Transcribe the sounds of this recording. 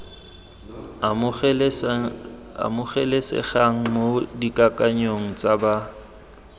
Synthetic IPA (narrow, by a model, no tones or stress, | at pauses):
a̰mʊχɛlesɛ̰χaŋ̩modikʼakʼaɲoŋ̩t͡sʼaba